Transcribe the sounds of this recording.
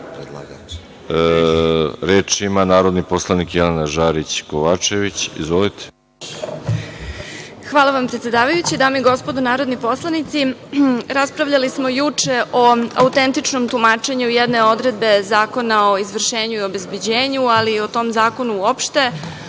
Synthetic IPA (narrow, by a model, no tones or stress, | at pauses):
ɾeːt͡ʃimanaːɾod̪niposlˠanikjelenaʒaːɾit͡ɕkoʋaːt͡ʃeʋit͡ɕḭzʋolit̪ʰe̥ | xʋaːlˠaʋampɾet̪sʲjed̪aːʋajut͡ɕid̪aːmeiɡo̞spo̞d̪onaːɾo̞d̪nipo̞slˠanit̪siɾaspɾaʋʎalismo̞jut͡ʂe̞ʔo̞a̰ut̪e̞nt̪it͡ʂno̞mt̪umaːt͡ʃe̞ɲujɛd̪ne̞o̞d̪ɾe̞d̪̚be̞zaːko̞nao̞izʋr̩ʃeːɲuio̞be̞zbe̞d͡ʑe̞ːɲualio̞t̪o̞mzaːko̞nuuopʃt̪e̞